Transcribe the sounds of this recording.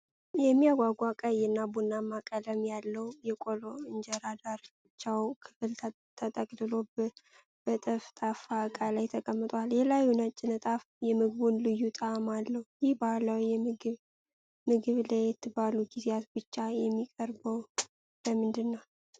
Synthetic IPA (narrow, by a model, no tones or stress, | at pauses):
jɛmːijaɡʷaɡʷakʼəjɨnːabunːamakʼələmjalːəwjɛkʼoloɨnd͡ʒɛɾad̪aɾbɨt͡ʃːawkʰɨfɨlʰ | t̪ʰət̪ʼəkʼdɨlo̞b | b̥ət̪ʼəft̪ʼafakʼalajt̪ʰəkʼəmːɨt̪ʼwaljɛlajunət͡ʃʼːɪnɨt̪ʼaf | jɛmɨɡβunlɨjːut̪ʼamalːəhjɪhbahlawijɛɨɡɨβ | mɨɡɨβlajɛt̪ʰːɨbaluɡizjat̪bɨt͡ʃːajɛmːikʼəɾbəw | ləmɨnd̪ɨnːəw